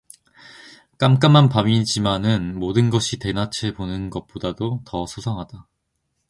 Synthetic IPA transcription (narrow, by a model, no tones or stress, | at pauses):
k͈amk͈amːanpamid͡ʑimanɯnmodɯnɡʌɕʰite̞nat͡ɕʰebonɯnɡʌt̚p͈odadotʌsʰosʰʌŋɦada